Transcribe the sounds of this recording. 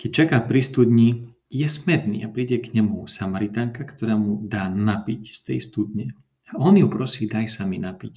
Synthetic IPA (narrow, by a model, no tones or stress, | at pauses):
kɛc̚t͡ʃakaːpɾist̪ud̪ɲi | jɛsmɛt̪nḭːapɾiɟɛkɲɛmusamaɾit̪aːŋkakt̪ɔɾaːmud̪aːnapicst̪ɛ̰jst̪ud̪ɲɛ | aɔnjupɾɔsiːd̪ajsaminapic